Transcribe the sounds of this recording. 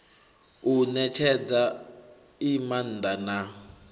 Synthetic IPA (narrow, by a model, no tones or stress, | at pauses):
unɛt͡ʃʰɛd͡za | iman̩d̪ana